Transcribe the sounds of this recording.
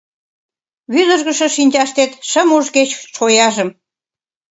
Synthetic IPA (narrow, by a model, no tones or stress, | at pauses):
βyd̪əʒɣə̆ʃə̆ʃinʲt͡ɕɑʃt̪et̪ʃəmuʒɣet͡ɕʃojɑʒə̆m